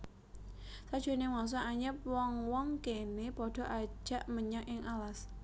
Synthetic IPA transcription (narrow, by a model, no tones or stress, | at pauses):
sad̥ʒ̥o̤neŋwaŋs̬ɔʔaɲap̚wɔŋwɔŋkenepoɖ̥ɔ̤ʔḁʒ̥a̤ʔməɲaʔɪŋʔalas